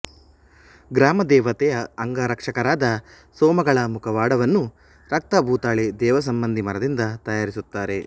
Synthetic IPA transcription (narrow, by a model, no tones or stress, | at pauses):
ɡɾaːmɐd̪ɛːʋɐt̪ɛjɐːŋɡɐɾɐkʂɐkɐɾaːd̪ɐ | sɔːmɐɡɐɭɐmukʰɐʋaːɽɐʋɐnːu | ɾɐk̚t̪ɐbʱuːt̪aːɭed̪ɛːʋɐs̬ɐmbɐnd̪ʱimɐɾɐd̪ind̪ɐt̪ɐjaːɾisut̪ːaːɾe̞